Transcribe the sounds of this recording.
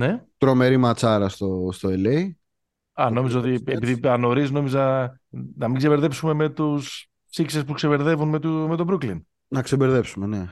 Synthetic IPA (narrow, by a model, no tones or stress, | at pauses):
ne̞t̪ɾo̞me̞ɾimɐt͡sɐɾɐst̪ost̪oelei | ɐno̞mizoot̪iepiðiɐno̞ɾizno̞mizɐ | nɐmiɡseveɾðepsume̞me̞t̪us | fsiksespukse̞ve̞ɾðe̞vunmet̪ume̞t̪o̞bɾuklin | nɐksebeɾðepsume̞ne̞